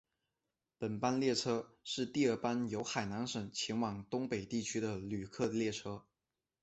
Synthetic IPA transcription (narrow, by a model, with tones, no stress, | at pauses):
pə˨˩npa˥nljɛ˥˩ʈ͡ʂʰɤ˥ʂɻ̩˥˧t̪i˥˧ə˞˥˩pa˥njo˧˥ʊxa˨˩ɪna˧˥nʂə˨˩ŋt͡ɕʰjɛ˧˥nwɑ˨˩ŋt̪ʊ˥ŋpe˨˩ɪt̪i˥˩t͡ɕʰy˥d̪ə˨ly˨˩kʰɤ˥˧ljɛ˥˩ʈ͡ʂʰɤ˥